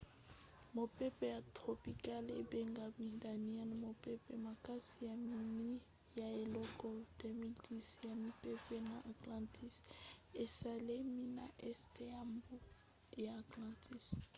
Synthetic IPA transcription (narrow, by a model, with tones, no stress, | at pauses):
mo˨pe˦pɛ˨ja˨tχo˨pi˨ka˦le˨be˦ŋɡa˨mi˨da˨ni˦a˦n˨mo˨pe˦pɛ˨ma˨ka˦si˨ja˨mi˨ni˦ | ja˨e˨lɔ˦kɔ˦d̥e˦mi˨ldi˦sja˨mi˦pe˦pɛ˦na˨ʔa˨klã˨ntʰi˦se˨sa˨le˦mi˦na˨ʔɛ˦ste˦ja˨mbo˦ | jaː˨klã˨ntʰi˦s